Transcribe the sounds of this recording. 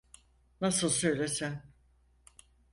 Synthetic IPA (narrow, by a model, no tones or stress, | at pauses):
nasɯlˠsø̞jlʲesin